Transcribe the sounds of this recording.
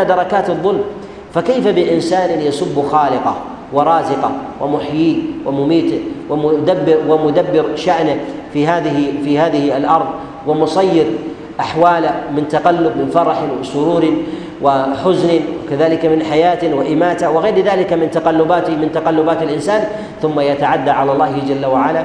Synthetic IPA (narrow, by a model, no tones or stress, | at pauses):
ad̪ɑɾˤɑkaːt̪ɨðˤːʊlm | fakajfabɪʔɪnsaːnjasʊbːxɑːlɪqɑ | wɪɾˤɑːzɪqɑwɪmʊħjiːwʔɪmʊmiːt̪ɪwɪd̪abːɪɾwɪmʊd̪abːɪɾʃaʔnɪ | fihaːðɪhfihaːðɪhalʔɑɾˤðˤ | wɪmʊsˤɑjːɪɾ | ʔaħwaːlamɪnt̪aqɑlːʊbmɪnfɑɾˤɑħwɪsʊɾuːɾɪ | wɪħʊznɪwɪ̰kaðaːlɪkamɪnħajaːt̪wɪʔɪmaːt̪awɪɣejɾðaːlɪkamɪnt̪aqɑlːʊbaːt̪ɪmɪnt̪aqɑlːʊbaːt̪alʔɪnsaːn | θʊmːajat̪aʕad̪ːaʕalalˤːɑːhɪd͡ʒalːawaʕala